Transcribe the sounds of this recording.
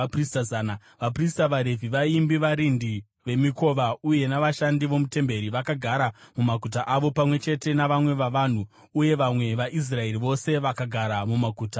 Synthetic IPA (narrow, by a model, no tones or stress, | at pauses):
pristaaːna | ʋapristaʋaɾe̞vʱiʋaimbiʋaɾindi | ʋe̞miko̞ːʋauje̞naʋaʃandiʋo̞mute̞mbe̞ɾiʋakaɡʱaɾamumakut̬aʔaʋo̞pamwe̞t͡ʃe̞te̞naʋamwe̞ʋaʋan̤u | uje̞ʋamwe̞ʋaʔis̬rae̞riʋo̞se̞ʋakaɡʱaɾamumakuːta